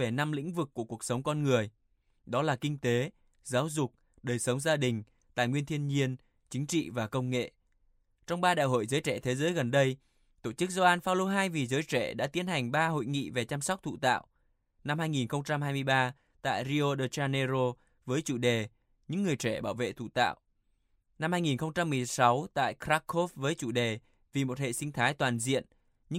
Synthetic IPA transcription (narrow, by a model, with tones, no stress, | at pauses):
e˨˩na˧mlḭ̈˧˥ŋ̟vɨ˨˩kːu˧˩əku˨˩ək̚sə˨˦wŋ͡mkɔ˧nŋɨ˨˩əj | ɗɔ˨˦laː˨˩kï˧ŋ̟t̪e˨˦ | zaː˨˦wzʊ˨˩k͡p̚ | ɗəː˨˩jsə˨˦wŋ͡mzaː˧ɗï˨˩ŋ̟ | t̪a̰ː˧˨jŋwi˧ənt̪ʰi˧ənɲi˧ən | t͡ɕï˨˦ŋ̟t͡ɕḭ˧˨vaː˨˩kə˧wŋ͡mŋḛ˧˨ | t͡ɕɔ˧wŋ͡mɓaː˧ɗa̰ː˧˨jɦo̰˧˨jzəː˨˦jt͡ɕɛ̰˧˩t̪ʰe˨˦zəː˨˦jɣə˨˩nɗə˧j | t̪o˧˩t͡ɕɨ˦˥k̚zo˧ʔaː˧nfaː˧wlo˧ɦaː˧jvi˨˩zəː˨˦jt͡ɕɛ˧˩ɗa̰ː˧˥t̪i˨˦ənha˨˩jŋ̟ɓaː˧ɦo̰˧˨jŋḭ˧˨ve˨˩t͡ɕa˧msa˦˥wk͡p̚t̪ʰṵ˧˨t̪a̰ː˧˨w | na˧mhaː˧jŋi˨˩nxə˧wŋ͡mt͡ɕa˧mhaː˧jmɨ˧əjɓaː˧ | t̪a̰ː˧˨jɾi˧ʔo˧ɗəː˧t͡ɕaː˧ne˧zo˧ | vəː˨˦jt͡ɕu˧˩ɗe˨˩ | ɲɨ̰˧˥ŋːɨ˨˩əjt͡ɕɛ˧˩ɓaː˧˩wvḛ˧˨t̪ʰṵ˧˩˨t̪a̰ː˧˨wʔ | na˧mhaː˧jŋi˨˩nxə˧wŋ͡mt͡ɕa˧mːɨ˨˩əjsa˨˦wt̪a̰ː˧˨jkɾa˦˥kːo˦˥fvəː˨˦jt͡ɕu˧˩ɗe˨˩ | vi˨˩mo˨˩t̚hḛ˧˨sï˧ŋ̟t̪ʰaː˨˦jt̪waː˨˩nzḭ˧˨ən | ɲɨ̰˧˥